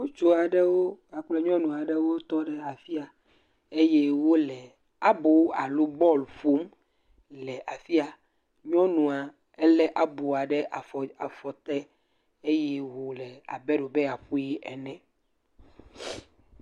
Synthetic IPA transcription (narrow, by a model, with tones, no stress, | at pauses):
wo˦t͡ʃo˨a˨ɖɛ˦wo˦a˨k͡plɛ˦ɲɔ̃˦nũ˨a˨ɖe˦wo˦t̪ɔ˦ɖɛ˦a˨fi˦a˨ | e˦je˦wo˦lɛ˨ | a˦bo˨a̰˨lu˦bɔ˦lfo˦m | lɛ˨ʔa˨fi˦a˨ | ɲɔ̃˦nũ˨a˨ | ɛ˦lɛ˦ʔa˦bo˨a˨ɖɛ˦ʔa˨fɔ˨a˨fɔ˨t̪ɛ˦ | e˦jɛ˦wo˨lɛ˨a̰˨bɛ˦ɖo˨be˦a˨ɸu˦ji˦ʔɛ˨nɛ̃˨